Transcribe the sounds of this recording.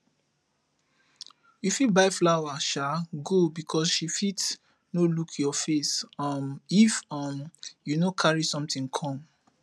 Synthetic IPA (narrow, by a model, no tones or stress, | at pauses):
jufit̚baɪflaʊwaʃaɡobikʰɔsʃifits | nolukʰjɔfesʌmifɔmjunokʰaɹisɔ̃mtĩŋkʰɔ̃m